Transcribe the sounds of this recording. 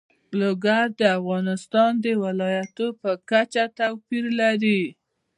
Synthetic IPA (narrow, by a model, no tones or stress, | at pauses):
loɡaɾd̪əafɣɑnɪst̪ɑnd̪əwɪlɑjat̪opəkat͡ʃat̪awpiɾlaɾi